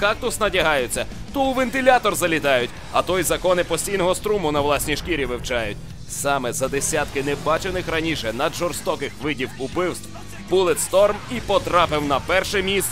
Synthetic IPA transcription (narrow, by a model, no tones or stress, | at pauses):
kɑk̚t̪ʊsnɐtʲɐɦɑjʊt͡sʲːɐt̪ɔʊʋent̪ɪlʲat̪ɔrzɐlʲit̪ɑjʊtʲ | ɐt̪ɔjzɐkɔnɪpɔsʲtʲijnɔɦɔst̪ɾumʊnɐʋlˠɑsʲnʲijʃkʲiɾʲiʋɪwt͡ʃɑjʊtʲ | sɑmɛzɐd̪esʲat̪kɪnɛbɑt͡ʃenɪxɾɐnʲiʃɛnɐd̪ʒɔrst̪ɔkɪxʋɪdʲiwʊpɪwst̪w̥ | bulˠɪt̪st̪ɔrmipɔt̪ɾɑpɪwnɐpɛrʃɛmʲist̪